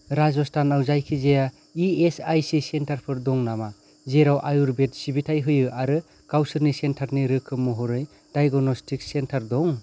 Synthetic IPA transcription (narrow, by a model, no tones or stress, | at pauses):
ɾazɔstʰanawzajkʰizeja | iesajsisentʰaɾpʰɯɾdɔŋnama | zeɾawʔajuɾbet̚sibitʰajɦɯjɯaɾɯ | kawsɯɾnisentʰaɾniɾɯkʰːɯmɔɦɔɾɯj | d̥ajɡɔnɔstʰik̚sentʰaɾdɔŋ